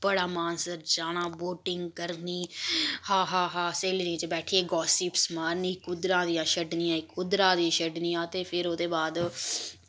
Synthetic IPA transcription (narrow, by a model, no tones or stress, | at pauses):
b̥əɽaːmaːnsəɾd͡ʒaːɽãːboːʈɪŋɡkəɾniːhaːɦaːɦaːseːlɾĩːt͡ʃebɛːʈʰiːeːɡɔːsɪpsmaːɾniːkʊd̪ɾãːd̪ijãːʃəɖnijãːɪkʊd̪ɾãːd̪ĩːʃəɖniːãːt̪eːpʰɪɾoːd̪eːbaːd̪